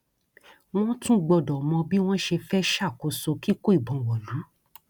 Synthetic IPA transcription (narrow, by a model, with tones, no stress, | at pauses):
w̃ɔ̃˦tũ˦ɡ͡bɔ˧˨dɔ˨mɔ̃˧bi˦w̃ɔ̃˦ʃe˧fɛ˦ʃa˦˨ko˧˦so˧ki˦ko˦i˦˨bɔ̃˨˧wɔ˨lu˨˦